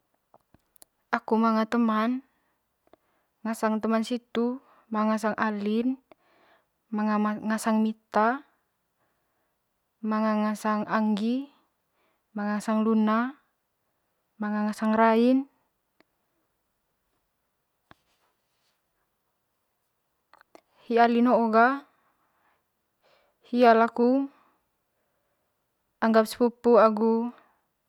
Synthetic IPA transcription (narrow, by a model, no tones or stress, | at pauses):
ʔakumaŋat̪əman | ŋasaŋt̪əmansit̪u | maŋas̬aŋʔalin | maŋaŋasaŋmit̪a | maŋaŋasaŋʔaŋɡi | maŋaŋasaŋluna | maŋaŋasaŋrain | hialinoːɡa | hialaku | aŋɡap̚sɛ̥pupuaɡu